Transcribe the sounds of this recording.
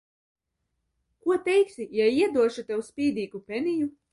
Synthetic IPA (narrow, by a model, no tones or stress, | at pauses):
kuɔt̪ɛjksʲijaiɛd̪uɔʃut̪ɛwspʲiːd̪iːkupʲeniju